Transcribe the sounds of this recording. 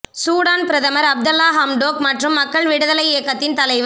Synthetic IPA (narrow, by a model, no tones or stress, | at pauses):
suːɽaːnpɪɾɐðɐmɐɾɐb̚d̪ɐlːaːɦɐmɖoːkmɐʈrɯmːɐkːɐɭʋɪɽɯðɐlɐɪeːkːɐt̪ːɪnt̪ɐlɐɪʋ